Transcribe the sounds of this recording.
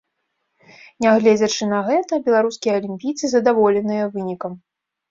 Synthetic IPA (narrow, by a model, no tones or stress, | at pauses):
nʲɛɣlʲɛd͡zʲɐt͡ʂɨnɐɣɛt̪ɐbʲɛlˠaɾuskʲijɐɐlʲimʲpʲijt̪sɨzɐd̪avɔlʲɛnɨjɐvɨnʲikɐm